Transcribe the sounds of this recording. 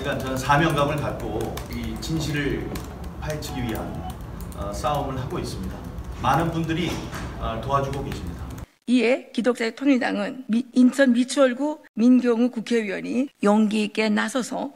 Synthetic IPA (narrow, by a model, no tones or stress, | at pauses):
ɡant͡ɕʌnɯnsʰamjʌŋɡamɯɭkat̚k͈oit͡ɕinɕʰiɾɯɭ | pʰaɭt͡ɕʰɯɡiɥiɦa̰n | ʌs͈aomɯɭɦaɡois͈ɯmɲidamanɯnbundɯɾiʌtoɦad͡ʑuɡokeɕʰimɲida | iekidok̚t͡ɕ͈aetʰoŋiɭda̰ŋɯnint͡ɕʰʌnmit͡ɕʰuʌɭɡuminɡjʌŋukukʰeɥiwʌɲijʌŋɡik͈e̞nasʰʌsʰʌ